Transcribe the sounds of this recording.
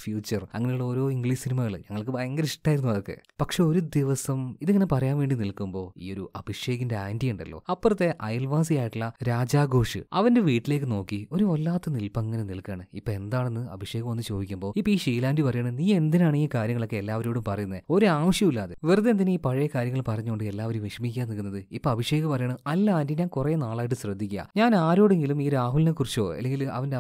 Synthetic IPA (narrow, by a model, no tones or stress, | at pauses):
fjuːt͡ɕːɐrɐ̰ŋːɐnjuɭːɐo̞ːɾo̞ːiŋɡɭiːʂsinimɐɣɐɭɨ̰ɲɐŋːɐɭkɨeŋːɡɐnʈːaːjiɾunuʋɐðokːḛpɐkʂe̞o̞ɾud̪iʋɐsɐmiðeŋːɐne̞pɐrɐjaːnʋe̞ːɳɖinilkumbo̞ːḭːo̞ɾuʔɐbʱiʂje̞ːɣɐndeaːndijuɳɖɐ̰lːo̰ːɐpːɐrɐt̪ːe̞ʔɐjlʋaːnsijaːjiʈːuɭːɐɾaːd͡ʑaːɡo̞ːʂɨ̰ɐ̰ʋɐnde̞ʋiːʈːile̞ːkːɨno̞ːkːio̞ɾuʋɐlːaːt̪ːɐnilpɐŋːɐne̞nilkːaːɳɨipːoe̞nd̪aːɳe̞nːɨɐ̰bʱiʂje̞ːɣɐmonːɨt͡ɕo̞ːd̪ikʲːumbo̞ːipːoiːʂiːlaːndipɐrɐjaːɳɨniːe̞nd̪inaːɳiːkaːɾjɐŋːɐɭo̞kːe̞elːaːʋɐɾo̞ːɽumpɐrɐjunːðo̞ɾuaːʋɐʂjɐmulːaːðɨʋerɐðend̪ineiːpɐɻɐjɐkaːɾjɐŋːɐɭpɐrɐɲːukoɳɖɨe̞lːaːʋɐɾumʋiʂɐmikʲːaːnːikːunːɐðɨipːoɐbʱiʂjeːɣɐmpɐrɐjaɳɨɐlːandiɲaːnkurenaːɭaːjiʈːɨɕrɐd̪ːikʲːa̰ɲaːnaːɾo̞ːɽe̞ŋɡilumiːɾaːɦulnekːurit͡ɕːo̞̰ːɐ̰lːeŋɡilɐ̰ʋɐnde